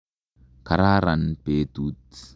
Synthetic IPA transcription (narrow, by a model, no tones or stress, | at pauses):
kaɾaɾanpet̪ut̪i̥